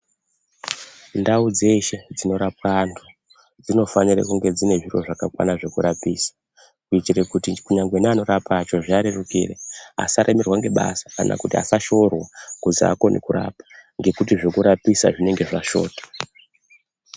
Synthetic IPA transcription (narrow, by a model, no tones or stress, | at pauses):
ndaud͡ze̞ʃe̞d͡zino̞ɾap̚antʰu | d͡zino̞fanira̰kuŋɡe̞d͡zine̞ʐiro̞̰ʐakakwa̰naʐe̞kuɾapiːsḁ | kuitirekutikuɲaŋɡwenano̞ɾapat͡ʃo̞ʐaɾerukḭrea̰saɾʔemerwaŋɡe̞ɓa̰sḁka̰nʔa̰kutia̰saʃo̞rwakuzia̰ko̞nʔḭkuɾa̰ːpḁŋɡe̞kutiʐokuɾapisaʐine̞ŋɡe̞ʐaʃo̞̰ːtḁ